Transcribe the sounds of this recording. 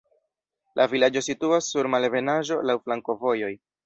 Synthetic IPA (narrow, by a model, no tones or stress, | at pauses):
lʔavilad͡ʒo̞situasːuɾmalve̞naʒo̞lawflaŋko̞vo̞jo̞j